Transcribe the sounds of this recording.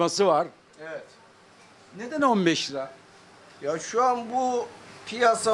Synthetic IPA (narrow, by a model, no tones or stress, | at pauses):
masɯvaɾ̥ | eɛt̪ | ned̪ænonbɛʃɾa | jaʃuanbupʰijasa